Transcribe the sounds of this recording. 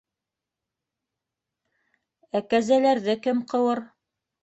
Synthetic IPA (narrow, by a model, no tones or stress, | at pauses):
ækæzælæɾðɘkɘmqɤ̆wɤɾ